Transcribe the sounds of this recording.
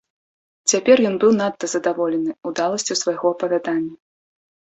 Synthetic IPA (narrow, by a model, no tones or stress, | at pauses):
t͡sʲapʲɛrjɔnbɨwnat̪ːɐzɐd̪avɔlʲɛnɨud̪alˠɐsʲt͡sʲusvajɣɔɐpɐvʲad̪anʲːɐ